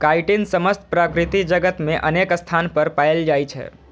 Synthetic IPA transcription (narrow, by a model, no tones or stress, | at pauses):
kaiʈinsəməst̪ʰpɾəkɾɪt̪id͡ʒəɡət̪mẽʔənekst̪ʰanpəɾpaeld͡ʒajt͡ʃʰḛ